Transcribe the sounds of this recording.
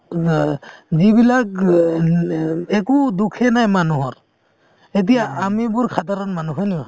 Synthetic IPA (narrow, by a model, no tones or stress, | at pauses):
zibilak̚ | ɛkudukʰɛnajmanuɦɔɾ | et̬ijaamibuɾkʰataɾɔnmanuɦɔniba